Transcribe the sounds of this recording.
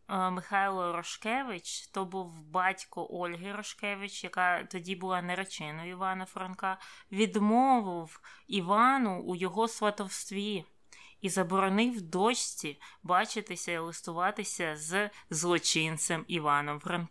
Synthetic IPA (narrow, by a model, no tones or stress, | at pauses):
mɪxɑjlˠɔɾɔʃkɛʋɪt͡ʃt̪ɔbuwbɑtʲkɔʔɔlʲɦɪɾɔʃkɛʋɪt͡ʃjɐkɑt̪ɔdʲibʊlˠɑneɾɔt͡ʃɪnɔiʋɑnɐfɾɐnkɑʋʲid̪mɔʋɪwiʋɑnʊujɔɦɔsʋɐt̪ɔwst̪ʋʲi | izɐbɔɾɔnɪwd̪ɔt͡ʃʲt͡sʲibɑt͡ʃɪt̪ɪsʲɐilˠɪst̪ʊʋɑt̪ɪsʲɐzzlˠɔt͡ʃɪnt̪sɛmiʋɑnɔmfɾɐnk